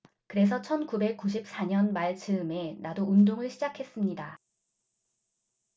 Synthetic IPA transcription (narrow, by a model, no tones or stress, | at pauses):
kɯɾe̞s̬ʰʌt͡ɕʰʌnkube̞k̚k͈uɕ̬ʰip̚s͈aɲʌnmaɭt͡ɕɯɯme̞nadoundoŋɯɭɕʰid͡ʑakʰe̞s͈ɯmɲida